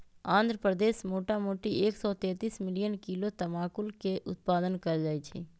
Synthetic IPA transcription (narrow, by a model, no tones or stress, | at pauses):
ãːnd̪ʱɾəpɾəd̪eːʃmoːʈamoːʈieːksɔt̪ɛ̃ːt̪iːsmɪlijənkilot̪ɐmaːkʊlkeʔʊ̰t̪̚paːd̪ənkɐɾd͡ʒaːet͡ʃʰḛː